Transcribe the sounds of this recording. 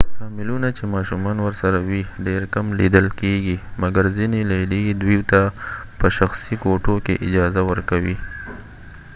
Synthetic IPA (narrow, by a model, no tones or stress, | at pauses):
sɑmɪlunat͡ʃemɑʃumɑnwəɾsaɾawiɖeɾkamlid̪əlkeɡimaɡaɾzinilelid̪wiwt̪apəʃaxsikoʈokḛʔɪd͡ʒɑzawəɾkawi